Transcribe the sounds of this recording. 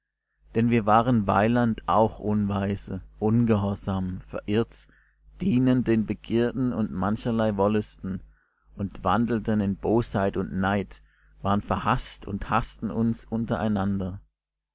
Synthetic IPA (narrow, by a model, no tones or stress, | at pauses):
d̥ɛnviːɐvaːʁənva̰ɪlantʔa̰ʊxʔʊnvaɪzəʔʊnɡəɦɔɐzaːmfɛɐʔɪɐt | d̥iːnəndeːnbəɡiːɐdn̩ʊ̰ntmançɐlaɪvɔlʊstn̩ | ʔʊntv̥a̰ndl̩tənɪnb̥oːshaɪtʊntnaɪt | v̥aːʁənfɛɐhastʊ̰nthastn̩ʊnsʔʊntɐʔaɪnandɐ